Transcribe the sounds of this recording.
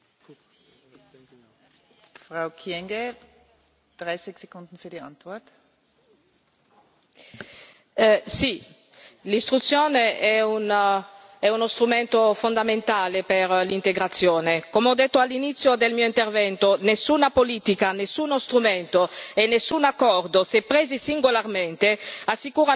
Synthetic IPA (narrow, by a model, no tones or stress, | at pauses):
fʁaʊkʰjɛŋɡe | d̪̥ʁaɪsɪçsekʊnd̪n̩fyːɐdiant̪vɔɐt | si | list̪ɾut̪sːjoːneɛun | ɛunost̪ɾumɛnt̪ofond̪ament̪aːlepeɾlint̪eɡɾat̪sːjoːnekomeɔd̪et̪ːoalːinit̪sjod̪elmiːoint̪ervɛnt̪onesːunapoliːt̪ikanesːunost̪ɾumɛnt̪oenesːunakːɔrd̪osepɾɛzisiŋɡolarmɛnt̪easːikuːɾa